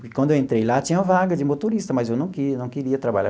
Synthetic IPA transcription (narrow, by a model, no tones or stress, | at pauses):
ʊkɪkwɐ̃d̪ewẽnt̪ɾejlat͡ʃĩɲɐ̃ɐvaɡɐd͡ʒɪmot̪oɾist̪ɐmɐzewnɐ̃w̃kɪnɐ̃w̃keɾiɐt̪ɾabaʎa̰